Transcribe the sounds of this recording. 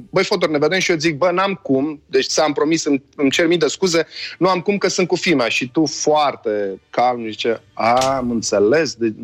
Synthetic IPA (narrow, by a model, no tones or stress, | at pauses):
bəjfot̪orneved̪emʃijot̪̬zik̚bənamkumd̪et͡ʃsəampɾomisɨnɨmt͡ʃe̞rmid̪əskuze̞nuamkumkəsɨnt̪̚kufimaʃit̪ufoart̪e̞kalmzit͡ʃeamɨnt̪se̞le̞sd̪e